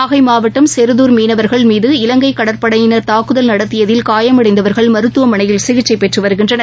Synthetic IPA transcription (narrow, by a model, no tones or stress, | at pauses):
aːɣɐɪmaːʋɐʈːɐmsɛɾɯðuːɾmiːnɐʋɐɾɣɐɭmiːðɯɪlɐŋɡɐɪkːɐɽɐɾpɐɽɐjɪnɐɾt̪aːkɯðɐlnɐɽɐt̪ːɪjɐðɪlkaːjɐmɐɽɐɪnd̪ɐʋɐɾɣɐɭmɐɾɯt̪ːɯʋɐmɐɳɐjɪlsɪɣɪt͡ʃːɐɪpːɛʈrɯʋɐɾɯɣɪndrɐnɐ